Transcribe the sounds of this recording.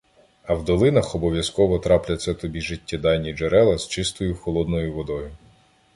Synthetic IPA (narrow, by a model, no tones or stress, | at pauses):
ɐwd̪ɔlˠɪnɐxɔbɔʋʲjɐskɔʋɔt̪ɾɑplʲɐt̪ʲsɛt̪ɔbʲiʒɪtʲːid̪ɑjnʲid͡ʒeɾɛlˠɐzt͡ʃɪst̪ɔjʊxɔlˠɔd̪nɔjʊʋɔd̪ɔjʊ